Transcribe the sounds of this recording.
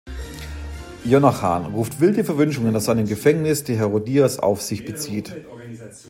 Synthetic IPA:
jonata̰ːnʁuːftv̥ɪldəfɛɐvʏnʃʊŋəndasz̥aɪnəmɡəfɛŋnɪsd̥eːɦɛɐʁodiːasa̰ʊfz̥ɪçb̥ət͡siːt

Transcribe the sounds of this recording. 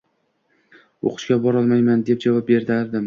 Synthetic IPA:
o̰qʰɨ̥ʃkʲabɒɾɒlˠmajmand̪e̞p̚d͡ʒavɒp̚be̞ɾd̪ɪaɾd̪ɪm

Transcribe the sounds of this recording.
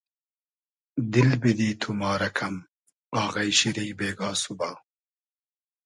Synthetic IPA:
d̪ilbid̪iːt̪ʰumɑːɾɐkʰɐm | aːɣɐjɕiɾijbeːɡaːsubaː

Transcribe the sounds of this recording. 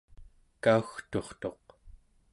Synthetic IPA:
kauxt̪o̞χt̪o̞q

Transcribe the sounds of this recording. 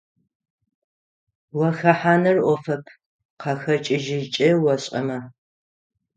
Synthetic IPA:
wɐxɐħaːnɨrʔʷɔfɐpʰ | qʰɑxɐt͡ʃʼɪʒɪt͡ʃʼɪwɐɕʼɐ̰mɐ

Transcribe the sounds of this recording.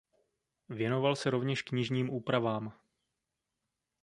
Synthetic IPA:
vjɛno̞valsɛɾovɲɛʃkɲɪʒɲiːmʔuːpɾavaːm

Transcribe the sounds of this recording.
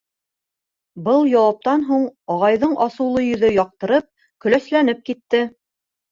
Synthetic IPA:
bɤlˠjɑwɑp̚t̪ɑnɦuɴɑʁɑjðɤɴʔɑsɤ̆wlˠɤjɵ̆ðɵjɑq̚t̪ɤ̆ɾɤp̚ | kɵ̆læslænɘp̚kit̪ːɘ

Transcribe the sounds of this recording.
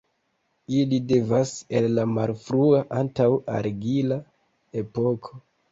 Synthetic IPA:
ilide̞vasellamalfɾuaʔantawa̰ɾɡila | e̞pokʰo

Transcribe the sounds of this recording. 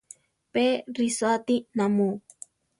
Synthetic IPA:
peɾisat̪inamu

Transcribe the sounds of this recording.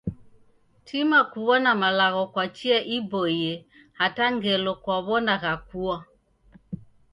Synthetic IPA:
tʰimakuβɔnamalaɣɔkwat͡ʃiaʔibɔjɛ | hataŋɡɛlɔkwaβɔnaɣakuwa

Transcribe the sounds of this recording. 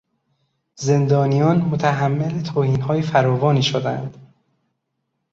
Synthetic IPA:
ze̞nd̪ɒːnijɒːnmot̪ʰæɦæmːelet̪ʰoːhiːnhɒːjefæɾɒːvɒːniːʃod̪æ̰nd̪̥

